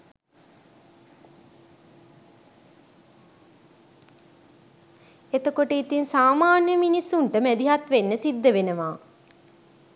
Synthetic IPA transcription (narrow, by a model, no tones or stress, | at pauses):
et̪əkoʈəit̪insaːmaːnjəminisːuɳʈəmæd̪iɦat̪ʋenːəsid̪ːəʋenəʋaː